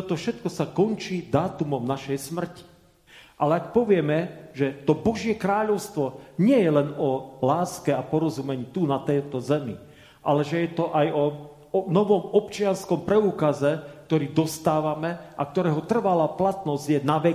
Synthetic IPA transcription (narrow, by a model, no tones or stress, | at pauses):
t̪ɔt̪ɔfʃɛt̪kɔsakɔnt͡ʃiːd̪aːt̪umɔmnaʃɛjsmr̩ci̥ | ʔalɛakpɔʋɪɛmɛʒɛt̪ɔbɔʒɪɛkɾaːʎɔʊst̪ʋɔɲɪɛjɛlɛnɔlaːskɛapɔɾɔzumɛɲiːt̪unat̪ɛt̪ɔzɛmḭ | ʔa̰lɛʒɛjɛt̪ɔʔajɔ | nɔʋɔmɔpt͡ʃɪanskɔmpɾɛuːkazɛk̚t̪ɔɾiːd̪ɔst̪aːʋamɛʔa̰kt̪ɔɾɛːɦɔt̪r̩ʋalaplat̪nɔzɟjɛnaʋɛ